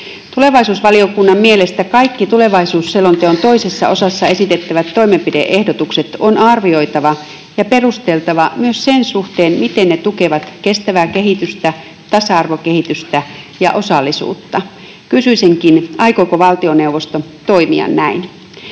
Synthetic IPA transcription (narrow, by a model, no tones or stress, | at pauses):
t̪ule̞ʋɑisuːsʋɑlio̞kunːɑmmielest̪ækɑikːit̪ule̞ʋɑisuːsselːont̪eont̪o̞isesːɑ̰o̞sɑsːɑesit̪et̪ːæʋæt̪ːo̞imempidḛʔehdot̪ukse̞t̪onɑrʋio̞it̪ɑʋɑ | jɑperust̪elt̪ɑʋɑmyøssensuht̪eːnmit̪enːet̪uke̞ʋɑt̪ke̞st̪æʋæːke̞ɦit̪yst̪æ | t̪ɑsɑɑrʋoke̞hit̪yst̪æ | jɑ̰ʔo̞sɑlːisṵːt̪ːɑ | kysyiseŋkinɑikokoʋɑlt̪ioneuʋːost̪ot̪oimḭɑ̰nnæin